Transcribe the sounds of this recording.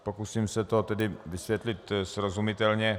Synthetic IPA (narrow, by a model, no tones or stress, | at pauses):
pokusiːmsɛt̪o̞t̪ɛdɪvɪsʋjɛt̪lɪt̪sɾozumɪt̪ɛlɲɛ